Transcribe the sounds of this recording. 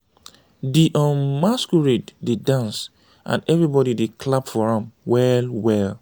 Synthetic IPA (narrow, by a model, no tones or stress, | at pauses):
diʔɔ̃nmaskuɹetdedãns | ʔã̰nɛvɹibɔɾidekʰlapfɔɹãmwɛlwɛl